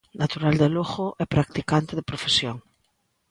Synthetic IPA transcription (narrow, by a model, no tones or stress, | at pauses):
nat̪uɾald̪eloɣʊʔɛpɾak̚t̪ikant̪ɪðeɪpɾofesjoŋ